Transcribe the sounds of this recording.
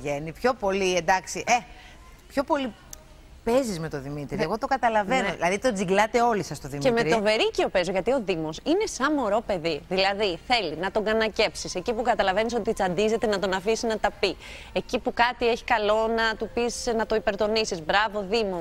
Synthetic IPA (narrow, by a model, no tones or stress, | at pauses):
ʝenipço̞po̞liend̪ɐksiʔe | pço̞po̞li | pezizmet̪o̞ðimit̪ɾieɣo̞t̪o̞kɐt̪ɐlɐvenoðilɐðit̪od͡ziɡlɐt̪e̞o̞lisɐst̪oðimːemeɾiove̞ɾicio̞pe̞zo̞ʝɐt̪io̞ðimo̞sine̞sɐmo̞ɾo̞pe̞ðiðilɐðiθe̞linɐt̪o̞ɡɐnɐce̞psise̞cipukɐt̪ɐlɐve̞nis̬o̞t̪it͡sɐnd̪ize̞t̪enɐt̪o̞nɐfisinɐt̪ɐpi | e̞cipukɐt̪ie̞çi̥kɐlo̞nɐt̪upisnɐt̪o̞ipe̞ɾt̪o̞nisizbɾɐvo̞ðimo